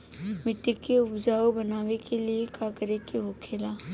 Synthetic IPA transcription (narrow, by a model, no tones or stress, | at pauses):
mɪʈːɪkːeʊbd͡ʒaːobɐnaːʋekeliekaːkəɾekiɦoːkʰeːlaː